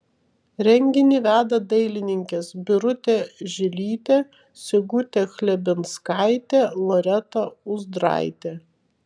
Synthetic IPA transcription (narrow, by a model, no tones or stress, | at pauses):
ɾʲɛŋʲɡʲɪnʲiːʋʲæːd̪ɐd̪ɐɪlʲɪnʲɪŋʲkʲesbʲɪɾʊt̪ʲeʒʲɪlʲiːt̪ʲeː | sʲɪɡʊt̪ʲexlʲɛbʲɪnskɑɪt̪ʲeːlˠɔɾʲɛt̪ɐʊzd̪ɾɑ̰ɪt̪ʲe